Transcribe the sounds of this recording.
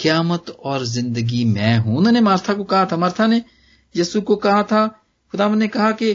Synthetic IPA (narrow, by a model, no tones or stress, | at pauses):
kɪjaːmət̪ɔːɾzɪ̃nd̪əɡimɛ̃ːɦũːnɐːnemaːɾt̪ʰakokɐɦat̪ʰaːmɐɾt̪ʰaneː | jəːsukokɐɦat̪ʰa | xʊd̪aːʋə̃nnekɐɦake